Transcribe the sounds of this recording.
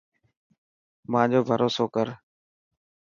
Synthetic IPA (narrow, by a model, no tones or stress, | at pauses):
mãːd͡ʑoːbʱəɾoːsoːkəɾ